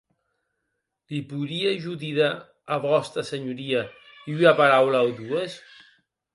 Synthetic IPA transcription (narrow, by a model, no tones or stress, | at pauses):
lipuɾiaʒuðiðaː | βɔst̪ɾɐsəɲuɾia | iyapaɾawlawd̪ues